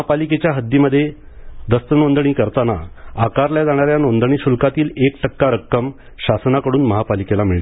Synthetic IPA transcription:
apaliket͡ɕjaɦəd̪ʱːiməd̪ʱːje | d̪əst̪ənond̪əɳ̃iːkəɾt̪anaakaɾljad͡zaɽ̃aɾjanond̪əɳ̃iːɕulkat̪iːlekʈʰəkːaɾəkːəm | ɕasnakəɽuːnməɦapalikelamiɭt̪

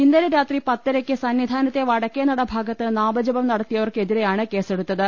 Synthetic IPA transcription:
ind̪ɐɾɐɾaːt̪ripɐt̪ːɐɾɐkʲːɨsɐnʋid̪ʱaːnɐt̪ːe̞ʋɐɽɐkʲːeːnːɐɽɐbʱaːɡɐt̪ːɨnaːbɐd͡ʑɐbɐmnɐɽɐt̪ːijɐʋɐrke̞ðiɾe̞jaːɳɨke̞ːse̞ɽut̪ːɐðɨ

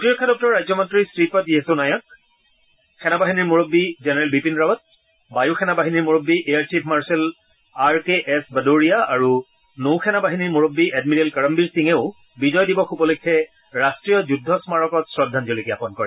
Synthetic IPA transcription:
tiɹɔkʰːadɔk̚tɔɹɹːajzɔmɔntɹisɹipɔtiɛsʊnajɔk̚ | kʰɛnabaɦiniɹmuɹobːizɛnɛɹɛlbipinɹawɔt̚ | bajuxʰɛnabaɦiniɹmuɹobːiʔejaɹt͡ʃipʰmaɹsɛl | aɹkeʔɛsbadoɹijaaɹu | nowxʰɛnabaɦiniɹmuɹobːiʔɛdmiɾelkaɹɔmbiɹsiŋeʊ | bizɔjdibɔxupɔlukʰːɛ | ɹastɹijɔzudʱːɔsmaɹɔkɔtsɹɔdʱːanzolikɛapɔnkɔ̰ɹɛ

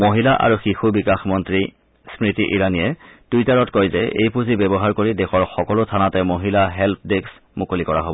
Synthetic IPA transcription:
moɦilaʔa̰ɹuxixubikaxmɔntɹi | spɹitiʔiɹanijɛd̥ujtaɹɔtkojzɛʔḛjpuzibɛbɔɦaɹkoɹidɛxɔɹxɔkɔlʊtʰanatɛmoɦilaɦɛlp̚ʰdeks | mukolikɔɹa̰ɦobɔ

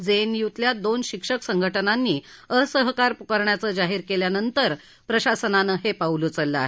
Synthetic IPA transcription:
d͡zenjut̪ljad̪onɕikʂəksəŋɡʱəʈənanːiː | əsəɦkaɾpukəɾɳjat͡səːd͡zaɦiːɾkeljanənt̪əɾ | pɾəɕasənanəɦepaulut͡səlːəa̰ɦe

